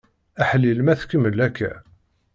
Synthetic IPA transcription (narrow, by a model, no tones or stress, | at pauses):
æħəlːilmæθkːəməlækːæ̰